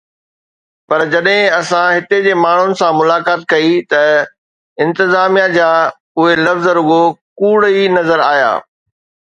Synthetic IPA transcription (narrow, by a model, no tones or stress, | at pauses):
pɐɾd͡ʑɐɗɦɪ̃ɐsãɦɪt̪ed͡ʑeːmaːɳ̤ʊnɪ̆sãmʊlaːkaːt̪̚kɐit̪ɐ | ɪ̃nt̪ɪzaːmijad͡ʑaː | ʊɦelɐfzɾʊɠokuːɽinɐzəɾa̰ːija̰ː